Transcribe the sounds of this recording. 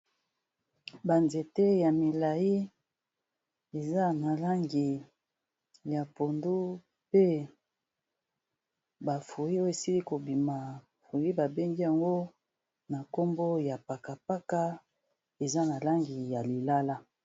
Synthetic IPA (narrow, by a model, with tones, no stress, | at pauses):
ba˨nze˨te˦ja˨mi˨la˨ji˦ | e˨za˦na˨la˦ŋɡi˨ | ja˨po˨ndu˦ | pe˦ | ba˨fu˨ji˦o˦˨e˨si˦li˦ko˨bi˨ma˨ | fu˨ji˦ba˨be˦ŋɡi˦ja˨ŋɡo˦ | na˨ko˦mbo˦ja˨pa˨ka˨pa˦ka˦ | e˨za˦na˨la˦ŋɡi˨ja˨li˨la˦la˦